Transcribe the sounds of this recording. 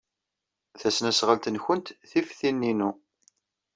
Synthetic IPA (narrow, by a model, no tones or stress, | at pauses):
θæsnæsʁəlt̪ənçənt̪θifθinːinu